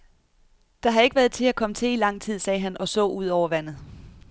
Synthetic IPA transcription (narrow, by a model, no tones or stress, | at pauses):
d̥ɑ̈ɦɑ̈e̝ɡ̥əʋæːɐð̩ˠt͡sʰe̝lækʰɒ̽mət͡sʰe̝lilɑ̈ŋ̰t͡sʰið̞̰ˠsɛːɦænɒ̽sɔ̰̽ːuð̰ˠɒʊ̰ɐʋæn̰ð̩ˠ